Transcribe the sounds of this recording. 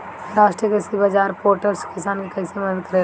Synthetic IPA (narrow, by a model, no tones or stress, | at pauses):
ɾaːʃʈɾijəkɾɪsibaːd͡ʒaːɾpoːɾʈəɾskɪsaːnkikɐːsemɐd̪əd̪kəɾe